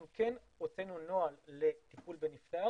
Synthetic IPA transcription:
mken | ʁot͡senunoalːe̞t̪ipulbenift̪a

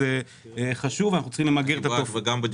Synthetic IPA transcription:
e | χaʃuvanaχnut͡ssə̥χimlemaɡeʁet̪aofɡambed͡ʒ

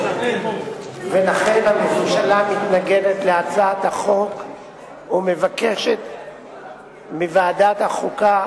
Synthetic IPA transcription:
velaχe̞nhamefumʃalamit̪naɡe̞det̪le̞at͡saat̪haχo̞k | ume̞vake̞ʃet̪ | mivaːd̪at̪haχuka

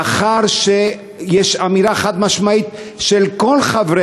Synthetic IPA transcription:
aχaʁʃe | jeʃamiɾaeχat̪maʃmait̪ʃelkolχavɾe

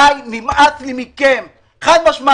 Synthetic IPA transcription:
ajmimatlimikem | χajmaʃma

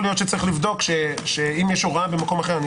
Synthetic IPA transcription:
lijo̞t̪ʃet͡saʁiχlivd̪o̞kʃeʃeimjɛʃoʁabemako̞maχeʁan

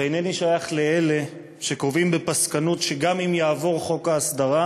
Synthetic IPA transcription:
eineniʃajaχle̞e̞le̞ | ʃekʁovimbepaskanutʃeɡamimjaːvo̞ʁχo̞kaːsd̪aʁa

